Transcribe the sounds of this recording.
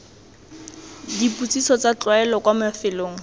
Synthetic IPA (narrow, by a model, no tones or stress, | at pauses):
diput͡sʼisɔt͡sat͡ɬwaɛlɔkwamafɪloːŋ̩